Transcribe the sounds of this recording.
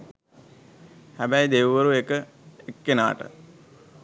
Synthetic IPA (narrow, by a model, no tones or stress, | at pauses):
hæbæjd̪eʋʋəɾuekə | ekːena̰ːʈə̰